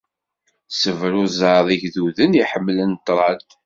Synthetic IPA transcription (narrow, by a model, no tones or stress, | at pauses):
səvɾʊzɑðˤiʝðuðəniħəmːlənt̪ːɾˤɑt̪